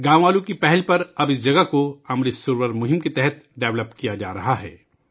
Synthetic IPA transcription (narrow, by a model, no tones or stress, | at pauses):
ɡãːw̃ʋaːlũkipɛɦɛlpɐɾɐbɪs̬d͡ʒɐɡəkoɐmɾisʊɾwəɾmʊɦɪmket̪ɛɦɛt̪ɖɛːʋləpkijad͡ʒa̰ːɾɐɦaɦɛ̰ː